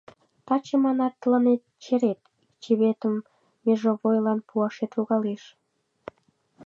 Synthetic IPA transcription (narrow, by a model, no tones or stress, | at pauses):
t̪ɑt͡ɕemɑnɑt̪ːlɑnet̪̚t͡ɕeɾet̪ | t͡ɕeβet̪əmː | eʒoβojlɑnpʰuɑʃet̪uɣɑleʃ